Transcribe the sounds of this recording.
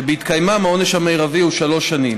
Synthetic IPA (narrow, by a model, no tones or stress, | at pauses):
beit̪kajmamao̞neʃamejʁaviuʃalo̞ʃːanim